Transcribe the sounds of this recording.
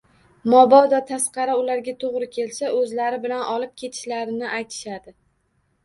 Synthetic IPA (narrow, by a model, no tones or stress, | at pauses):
mɒbɒd̪ɒt̪ʰasqɑɾaʊlaɾɡʲat̪ʰoʁɾɪkʲʰe̞lsaɵzlaɾɪbɪlanʔɒlɪp̚kʲʰe̞t̪ʰɪ̥ʃlaɾɪnɪʔajt̪ʰɪ̥ʃad̪ɪ